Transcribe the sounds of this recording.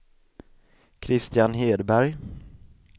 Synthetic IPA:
kʰɾɪst̪ɪjanɦeːd̪bæɾj

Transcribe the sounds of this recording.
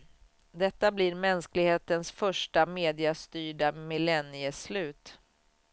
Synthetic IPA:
d̪ɛt̪ːabliɾmɛnsklɪɡheːt̪ənsfœʂʈameːd̪ɪast̪yːɖamɪlɛnɪəslʉ̟ːt̪

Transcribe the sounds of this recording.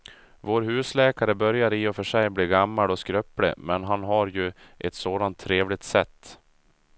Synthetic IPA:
voːɾɦʉ̟ːslɛːkaɾəbœɾjaɾiːɔfœʂɛjbliːɡamːalɔskɾœplɪ̰mɛnɦanɦaɾjɵ | ʔɛt̪soːd̪ant̪ʰːɾeːvlɪt̪sɛt̪ː

